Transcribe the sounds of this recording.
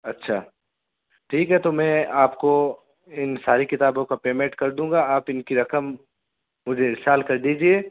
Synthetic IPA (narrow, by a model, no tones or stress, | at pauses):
ɐtːʃʰaː | ʈʰiːkɦɛt̪omɛ̃ːaːpko | ɪnsaːɾikɪt̪aːbõkapeːmẽɳʈkɐɾd̪ũːŋɡaaːpɪnkiɾɐkəmː | ʊd͡ʒʱeɾsaːlkɐɾd̪iːd͡ʒieː